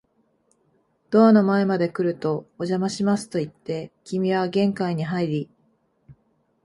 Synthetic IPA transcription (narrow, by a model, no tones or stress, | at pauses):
d̪̥o̞ano̞mae̞mad̪e̞kɯ̟ɾɯ̟t̪o̞ːʑamaɕimasɨ̥t̪o̞it̪ːe̞kʲimʲiβaɡẽ̞ŋkaiɲ̟iɦaiɾʲi